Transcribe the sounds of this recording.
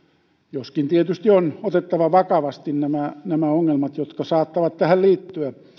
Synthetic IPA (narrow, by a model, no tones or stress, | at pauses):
joskint̪iet̪yst̪ionot̪et̪ːɑʋɑʋɑkɑʋɑst̪innæmænæmæoŋːelmɑt̪jot̪kɑsɑːt̪ːɑʋɑt̪t̪æhælliːt̪ːyæ